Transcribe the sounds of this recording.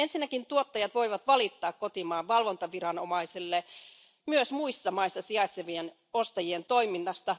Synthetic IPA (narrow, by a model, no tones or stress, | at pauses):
ensinːækint̪uot̪ːɑjɑt̪ʋoiʋɑt̪ʋɑlit̪ːɑːkkot̪imɑːʋʋɑlʋont̪ɑʋirɑnomɑisilːe | myøsmuisːɑmɑisːɑsiɑit̪seʋien | ost̪ɑjient̪oiminːɑst̪ɑ